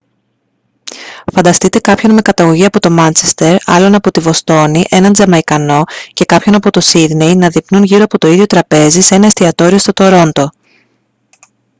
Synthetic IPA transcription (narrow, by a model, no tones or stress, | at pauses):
fɐnd̪ɐst̪it̪e̞kɐpço̞nme̞kɐt̪ɐɣo̞ʝiɐpo̞t̪o̞mɐnt͡ʃe̞st̪e̞ɾɐ̰lo̞nɐpo̞t̪ivo̞st̪o̞niʔe̞nɐnd͡zɐmɐikɐno̞ce̞kɐpço̞nɐpot̪o̞siðnejnɐðipnunʝiɾo̞ɐpo̞t̪o̞iðʝo̞t̪ɾɐpe̞zise̞nɐest̪iɐt̪o̞ɾio̞st̪ot̪o̞ɾo̞nd̪o̞